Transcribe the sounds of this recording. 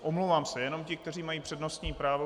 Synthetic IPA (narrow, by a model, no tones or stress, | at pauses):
ʔomlowvaːmsɛjɛno̞mcɪk̚t̪ɛr̝iːmajiːpr̥ɛdno̞st̪ɲiːpɾaːvo